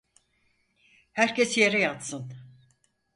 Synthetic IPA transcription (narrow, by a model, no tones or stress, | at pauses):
hæɾcʰesjeɾɛjat̪sɯn